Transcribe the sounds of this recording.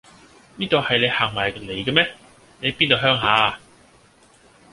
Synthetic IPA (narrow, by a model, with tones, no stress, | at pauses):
niː˥t̪o˨˧hɐ˨jnle˨˧jhaː˨ŋmaː˨˩jkle˨jkɛ˧mɛː˥ | ne˨˧jpiː˥nt̪o˧wɦœː˥ŋɦaː˨˧˨